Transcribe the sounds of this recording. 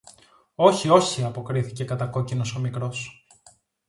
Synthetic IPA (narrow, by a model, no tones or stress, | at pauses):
o̞çio̞çiɐpo̞kɾiθice̞kɐt̪ɐko̞cino̞so̞mikɾo̞s